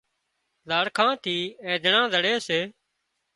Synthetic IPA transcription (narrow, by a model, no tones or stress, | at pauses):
zaːɽkʰãːt̪ʰiːɛ̃ːd̪ɪɳãːd̪ʱəɽeːseː